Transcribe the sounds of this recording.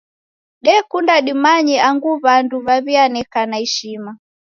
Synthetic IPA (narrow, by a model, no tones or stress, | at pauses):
ɗɛkundaɗimaɲiaŋɡuβanduβaβianɛkanaɛʃima